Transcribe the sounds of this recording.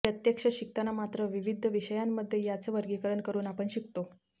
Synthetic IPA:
ɾət̪jəkʂəɕik̚t̪anamat̪ɾəʋiʋid̪ʱːəʋiɕəjamːəd̪ʱːjejat͡səʋəɾɡikəɾəɳkəɾuːnapəɳɕikt̪o

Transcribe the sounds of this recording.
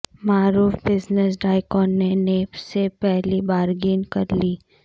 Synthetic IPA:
maːɾuːfbɪznəsɖaːɪkɔːnːeneːpsepɛɦlibaːɾɡiːnkɐɾliː

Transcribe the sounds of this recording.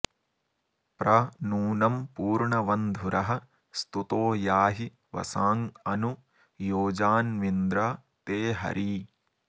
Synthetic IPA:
pɾɐnuːnɐmpuːɾɳɐʋɐnd̪ʱuɾɐɦɐ̆ | st̪ut̪oːjaːɦi | ʋɐ̰saːŋɐnu | joːd͡ʒaːnʋind̪ɾɐ | t̪eːɦɐ̰ɾʔi

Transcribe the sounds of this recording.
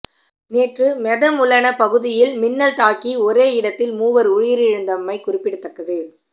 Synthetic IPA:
neːʈrɯmɛðɐmʊɭɐnɐpɐɣɯðɪjɪlmɪnːɐlt̪aːkiɔɾeːɪɽɐt̪ːɪlmuːʋɐɾʊɻjɪɾɪɻɯnd̪ɐmːɐɪkʊrɪpːɪɽɯt̪ːɐkːɐʋeː

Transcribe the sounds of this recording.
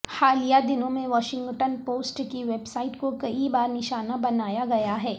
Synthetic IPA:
xaːlijad̪ɪnõmẽʋɔːʃɪ̃ŋɡʈənpoːsʈkiʋeːbsaːɪʈkokɐibaːɾnɪʃaːnabɐnaːjaɡɐjaɦɛː

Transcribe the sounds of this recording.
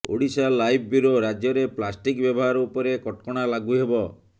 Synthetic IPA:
o̰ɽisalːajb̚ʰʱbuɾoɾad͡ʒjɔɾeplasʈikbjɔbɔɦaɾɔupɔɾekɔʈkɔɽ̃alaɡuɦebɔ

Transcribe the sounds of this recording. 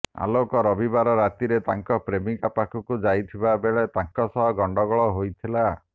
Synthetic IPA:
a̰lokɔɾɔbibaɾɔɾat̪iɾet̪aŋkɔpɾemikapakʰɔkud͡ʒajt̪ʰibabeɭet̪aŋkɔsɔɦɔɡɔɳɖɔɡɔɭɔɦojt̪ʰila

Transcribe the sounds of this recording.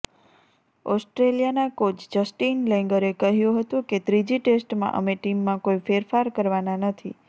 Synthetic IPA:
ɔsʈɾelijanakot͡ʃd͡ʒəsʈinlɛ̃ŋɡəɾekəɦjũɦət̪ũket̪ɾid͡ʒiʈesʈmã̰ʔə̰meʈimːãkoifeɾfaɾkəɾʋananət̪ʰḭ

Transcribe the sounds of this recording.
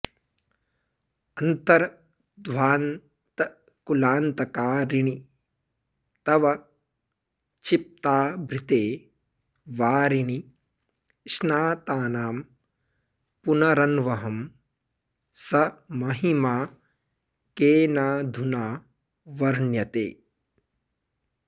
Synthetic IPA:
ɐnt̪ɐɾɐ | d̪ʱʋaːn | t̪ɐ | kulaːnt̪ɐkaːɾiɳi | t̪ɐʋɐ | t͡ʃip̚t̪aːbʱɾit̪eː | ʋaːɾini | ʃnaːt̪aːnaːm | punɐɾɐnʋɐɦɐm | sɐmɐɦimaː | keːnaːd̪ʱunaː | ʋɐɾɳjɐt̪ḛː

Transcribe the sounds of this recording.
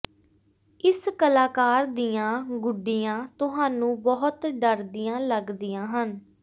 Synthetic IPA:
ɪskəlaːkaːɾd̪ijãːɡʊɖijãːt̪ʊɦaːnũːbɔɦʊt̪ɖəɾd̪ijãːləɡd̪ijãːɦən

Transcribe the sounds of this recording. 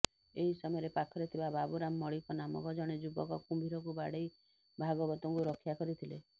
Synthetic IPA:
eɦisɔmɔjɔɾepakʰɔɾet̪ʰibababuɾamːɔɭikɔnamɔ̰kɔd͡ʒɔɽ̃ed͡ʒubɔ̰kɔkumbʱiɾɔkubaɽej | bʱaɡɔbɔt̪ɔŋkuɾɔkʰjakɔɾit̪ʰile

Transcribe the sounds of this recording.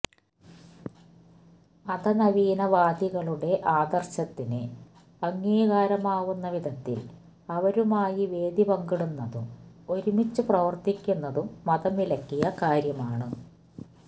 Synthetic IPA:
ɐd̪ɐnɐʋiːnɐʋaːd̪iɣɐɭuɽe̞ʔaːd̪ɐrɕɐt̪ːinɨ | ɐŋːiːɣaːɾɐmaːʋunːɐʋid̪ʱɐt̪ːḭl | ɐʋɐɾumaːjiʋe̞ːd̪ibɐŋɡiɽunːɐðṵmo̞ɾumit͡ɕːuprɐʋɐrt̪ikʲːunːɐðumːɐðɐmilɐkːijɐkaːɾjɐmaːɳɨ

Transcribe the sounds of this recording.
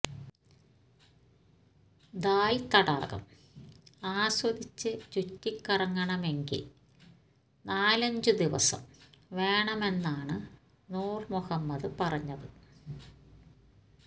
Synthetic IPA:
d̪aːjit̪ɐɽa̰ːɣɐ̰m | aːɕwɐd̪it͡ɕːɨt͡ɕutːikːɐrɐŋːɐɳɐme̞ŋɡḭl | naːlɐɲd͡ʑɨd̪iʋɐ̰sɐ̰mʋe̞ːɳɐme̞nːaːɳɨ | nuːrmuhɐmːɐðɨpɐrɐɲːɐðɨ

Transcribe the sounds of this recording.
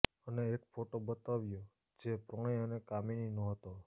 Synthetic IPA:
əneːkfoʈobət̪aʋjo | d͡ʒepɾɔɽ̃iənekamininõɦət̪o

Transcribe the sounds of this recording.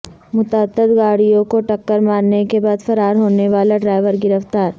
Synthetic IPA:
mʊt̪aːt̪ːəd̪ɡaːɽijõkoʈɐkːəɾmaːɾnekebaːd̪fɐɾaːɾɦoːneʋaːlaɖɾaːɪʋəɾɡɪɾəft̪aːɾ

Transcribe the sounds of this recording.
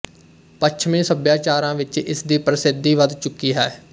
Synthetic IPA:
pətʃʰmẽːsəbjaːt͡ʃaːɾãːʋɪt͡ʃɪ̰sd̪iːpɾəsɪd̪ːiːʋəd̪t͡ʃʊkːiːɦɛː

